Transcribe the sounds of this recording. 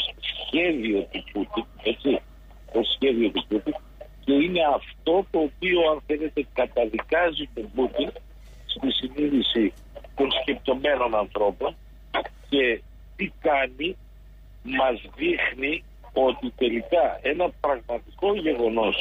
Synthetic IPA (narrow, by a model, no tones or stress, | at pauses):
ssçe̞ðio̞t̪uput̪ine̞t͡si | osçe̞ðio̞t̪uput̪in | ce̞ine̞ɐft̪o̞t̪o̞ːpio̞ɐnθe̞le̞t̪e̞kɐt̪ɐðikɐzit̪o̞but̪in | st̪isiniðisi | t̪o̞nsce̞p̚t̪o̞me̞no̞nɐnθɾo̞po̞n | ce̞ | t̪ikɐni | mɐzðixni | o̞t̪it̪e̞likɐe̞nɐpɾɐɣmɐt̪iko̞ʝe̞ɣo̞no̞s